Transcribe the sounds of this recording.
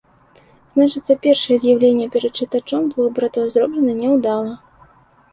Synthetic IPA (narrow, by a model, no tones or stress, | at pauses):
z̥nat͡ʂɨt̪sɐpʲɛrʂɐjɛzʲjawlʲenʲːɛpʲɛɾɐt̪̚t͡ʂɨt̪at͡ʂɔmd̪vuɣbɾat̪ɔwzɾɔblʲɛnɨnʲɛwd̪alˠɐ